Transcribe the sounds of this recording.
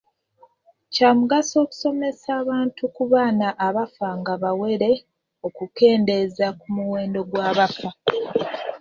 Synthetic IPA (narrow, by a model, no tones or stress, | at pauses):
caːmuɡaso̞ːku̥so̞me̞saːβaːntukuβaːnaʔːβafaŋɡaβawe̞ɾe̞ | o̞kuke̞ːnde̞zakumuwe̞ːndo̞ɡwaːβafa